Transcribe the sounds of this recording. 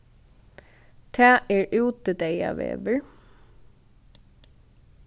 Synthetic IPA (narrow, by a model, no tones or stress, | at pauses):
t̪ʰæːʔɛɹʉːt̪əd̪eja̰ʋḛːʋəɹ